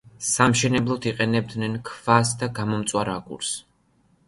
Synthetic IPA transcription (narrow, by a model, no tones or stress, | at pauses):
samʃɛnɛblˠɔd̪iqʼɛnɛb̚d̪nɛnkʰv̥asd̪aɡamɔmt̪sʼwaɾakʼṵɾs